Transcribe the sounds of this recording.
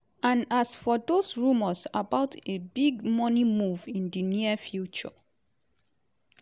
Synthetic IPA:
ãnasfɔdosɹuməsabaʊtebiɡmɔnimuvĩndiniəfjut͡ʃɔ̰

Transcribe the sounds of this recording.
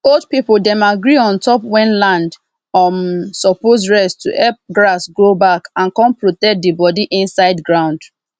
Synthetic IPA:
old̚pipl̩dɛ̃maɡɹiɔ̃ntʰɔpwɛ̃nlãnd | ɔmsɔpozɹɛstuʔɛp̚ɡɹasɡɹobakãnkɔ̃npɹotɛk̚dibɔdiʔĩnsaɪdɡɹãʊ̃nd

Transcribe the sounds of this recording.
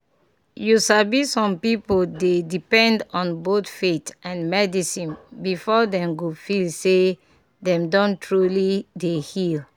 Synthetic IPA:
jusabisɔ̃mpipoldedipɛ̃ndɔ̃nbotfetãnmɛdisĩnbifɔdɛ̃mɡofilse | dɛ̃mdɔ̃ntɹulidehil

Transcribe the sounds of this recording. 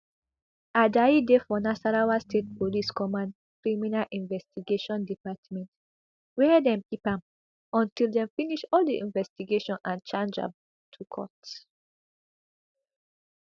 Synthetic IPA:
adaidefɔnasaɹawastʰet̚poliskɔmãn | kɹiminalʔĩnvɛstiɡeʃɔ̃ndipatmɛ̃nt | wɛdɛ̃mkipãm | ɔ̃ntildɛ̃mfiniʃɔldiḭ̃nvɛstiɡeʃɔ̃nãnt͡ʃãnd͡ʒa̰b | tʰukʰɔ̰t

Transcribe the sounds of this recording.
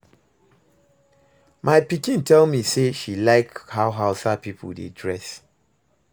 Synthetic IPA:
maɪpikĩntɛlmiseʃilaɪkhaʊɦaʊsapipʰṵdḛdɹɛs

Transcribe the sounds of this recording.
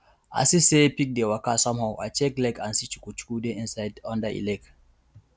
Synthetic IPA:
a̰sisepik̚dewakasɔ̃mhaʊʔa̰t͡ʃɛklɛkãnsit͡ʃu̥kut͡ʃu̥kudeʔĩnsaɪdɔ̃ndəʔḭlɛk

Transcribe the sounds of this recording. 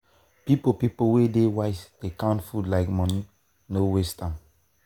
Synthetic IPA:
pipopipowedewaɪsd̥ekãntfudlaɪkmɔni | nowestãm

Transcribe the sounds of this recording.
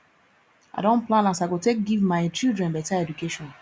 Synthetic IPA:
a̰ɪdõnplãnasaɪɡotek̚ɡivmaɪt͡ʃildɹɛ̃nbataɛdukeʃɔ̃n

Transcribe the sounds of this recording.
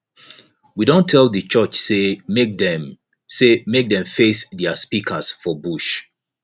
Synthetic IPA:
widõntʰɛlˠðət͡ʃɜt͡ʃsedɛ | semek̚dɛ̃ɱfesðɛaspikʰəsfɔbuʃ

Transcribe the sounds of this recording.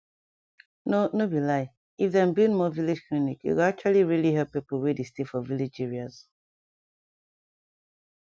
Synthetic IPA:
nonobilaɪ | ifðɛ̃mbĩnmɔvilid͡ʒklinikjṵkak̚t͡ʃualiɹiliɦɛpːipəl̩wedestefɔvilid͡ʒɛɹiaz̥

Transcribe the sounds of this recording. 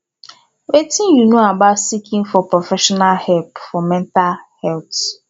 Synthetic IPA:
wetɪ̃njunoabatsikʰĩŋfɔpɾofɛʃɔnalhɛlpfɔmɛ̃ntalhɛlt

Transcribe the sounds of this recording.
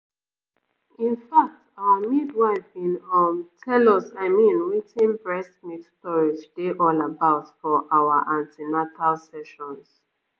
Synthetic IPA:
ĩnfak̚taamidwaɪfĩnɔ̃ntʰɛlɔsaɪmĩnwitʰĩnbɹɛstmittɔɹitʰudeʔɔlabaʊtfɔʔawaʔãntʰinatʰalsɛʃɔ̃ns

